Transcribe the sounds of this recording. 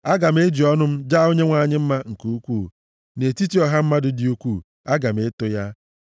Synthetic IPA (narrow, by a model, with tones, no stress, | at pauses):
a˦ɡa˨m̩˦e˦d͡ʒi˨ɔ˦nʊ˦m̩˦d͡ʒa˦o˦ɲe˦ŋʷa˨ɲɪ˦m̩˦ma˦ŋ̩˨ku˦kʷuː˦˨ | ne˨ti˦ti˨˦ɔ˨ɦa˦m̩˦ma˦dʊ˨dɪ˦u˦kʷu˦˨ | a˦ɡa˨m̩˨ɪ˦tʊ˦ja˦